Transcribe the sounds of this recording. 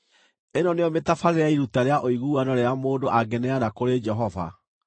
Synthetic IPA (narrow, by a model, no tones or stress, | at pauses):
enɔneɔmetafaɾeɾeaiɾutaɾeaʔoiɣuːanɔɾeamoːndoʔaɡɛnɛanakoɾed͡ʒɛɦɔva̰